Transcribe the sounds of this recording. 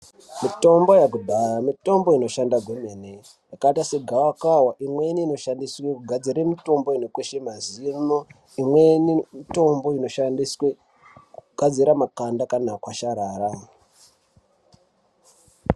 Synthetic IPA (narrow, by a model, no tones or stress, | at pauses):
mito̞mbo̞jakudʱaramito̞mbo̞ino̞ʃandaɡʱomene | jakaitase̞ɡʱawakawaʔimwe̞niːno̞ʃandiswekuɡʱad͡ziɾemito̞mbo̞inokweʃemazimo | imwenimito̞mbo̞ino̞ʃandiswe | kuɡʱad͡ziɾamakandakanakwaʃaɾaːɾa